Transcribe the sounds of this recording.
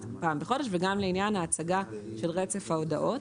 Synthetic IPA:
paːmbeχo̞deʃveɡamleinjanhaːt͡saɡaʃelʁet͡se̞fhaodaʔo̞t

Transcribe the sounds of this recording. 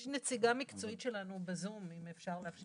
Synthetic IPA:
ʃnet͡siɡamikt͡so̞it̪ʃe̞lanubezumimefʃaʁleafʃ

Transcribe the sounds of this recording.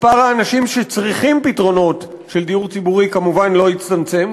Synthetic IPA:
paʁaːnaʃimʃet͡sʁiχimpitʁo̞no̞t | ʃe̞ldiuʁt͡sibuʁikamuvanlo̞jit͡st̪amt͡se̞m

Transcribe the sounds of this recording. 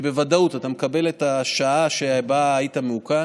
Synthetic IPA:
be̞vadautatamekabe̞letaʃaaʃebaːitameuka

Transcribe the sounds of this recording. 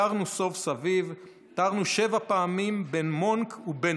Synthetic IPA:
aʁnuso̞fsaviv | t̪aʁnuʃe̞vapaamimbe̞nmonkube

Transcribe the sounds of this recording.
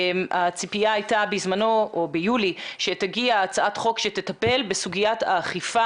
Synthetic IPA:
mat͡sipijaajtabizmano̞obejuliʃe̞taɡiaːt͡saʔatχo̞kʃetetape̞lbesuɡijata̰ːχifa

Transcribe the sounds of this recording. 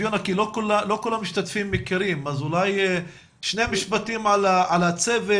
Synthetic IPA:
jonakilokulalo̞kulamːiʃt̪at̪fimːikeɾimazulaj | ʃnemiʃbat̪imʕalaalat͡seve

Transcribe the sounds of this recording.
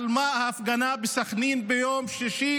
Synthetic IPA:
lmahaːfɡanabesaχninbejomʃiʃi

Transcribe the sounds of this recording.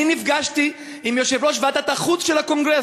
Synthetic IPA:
inifɡaʃt̪i | imjoʃevʁoʃvat̪at̪aχut͡sʃelakoŋɡʁe

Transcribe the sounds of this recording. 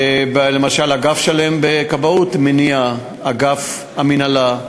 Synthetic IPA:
blemaʃalhaɡafʃale̞mbekabaut̪menia | aɡaf | aminala

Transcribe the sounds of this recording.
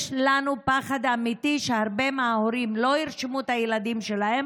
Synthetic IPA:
ʃlanupaχad̪amit̪iʃeaʁbe̞maːhoɾimlo̞iʁʃemuet̪ajelad̪imʃe̞lahem

